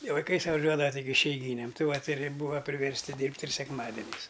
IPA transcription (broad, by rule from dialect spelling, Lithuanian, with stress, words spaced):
ɪ ʋɐɪˈkɐɪ sʊʋɐˈʒʲuɔdɐʋɐ tʲɪk ɪʃʲɛɪˈɡʲiːnʲeːm ˈtʲɪ ʋɐtʲ ɪr ˈbuːʋɐ pʲrʲɪʋʲɛrʲsʲˈtʲɪ ˈdʲiːrʲpʲtʲ ɪr sʲɛkˈmɑːdʲɛnʲɛɪs